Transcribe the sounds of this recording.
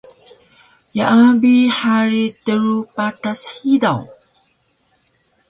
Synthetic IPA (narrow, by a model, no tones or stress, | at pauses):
jaʔabiħaɾitəɾupatasħidaw